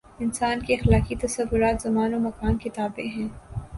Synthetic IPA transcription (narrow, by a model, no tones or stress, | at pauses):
ɪnsaːnkeɐxlaːkit̪ɐsɐʋːʊɾaːt̪zɐmaːnomɐkaːnket̪aːbeɦɛ̃ː